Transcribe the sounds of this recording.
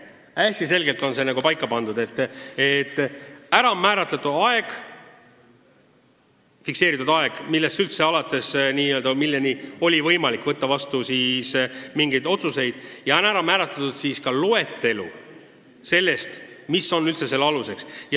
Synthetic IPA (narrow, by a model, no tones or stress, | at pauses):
æsʲt̪ise̞lɡe̞lt̪ːˑo̞nse̞næɡupɑjkːˑɑpɑnd̪ud̪e̞t̪ːet̪ːˑæɾɑmæːɾɑt̪lɑt̪ud̪ɑe̞ɡ̥ | fikse̞ːɾit̪ud̪ɑe̞ɡ̥milːest̪ylt̪se̞ɑlɑt̪ːˑe̞sniːøld̪ɑmilːenio̞lʲivɤjmɑlikːˑvɤt̪ːɑvɑst̪usiːsmiŋɡ̥e̞jd̪o̞t̪suse̞jd̪̥jɑenæɾɑmæːɾɑt̪lɑt̪ud̪̥siːskɑloe̞t̪ːe̞lṵ | se̞lːe̞st̪misːo̞nːylt̪se̞se̞lːɑluse̞ksjɑ